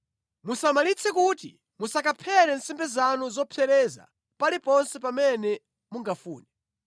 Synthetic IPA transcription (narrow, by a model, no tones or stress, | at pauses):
musamalit͡sʰɛkutḭ | musakapʰɛɾɛnsɛmbɛzanuzɔpʰɛɾɛza̰ | palipɔnsɛpamɛnɛ | muŋɡafuːnɛ